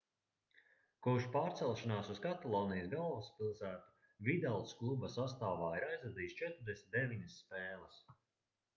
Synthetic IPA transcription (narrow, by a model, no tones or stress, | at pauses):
kuʃpaːɾt̪sɛlˠʃanaːsuz̥kat̪alˠɔːnijzɡalˠvuspilˠsæːt̪u̥ | vid̪alˠsklˠubasast̪aːvaːiɾajzɾad̪iːst͡ʃɛt̪ɾʊɾd̪esʲmʲt̪̚d̪eviɲɐsːpɛːlˠɐs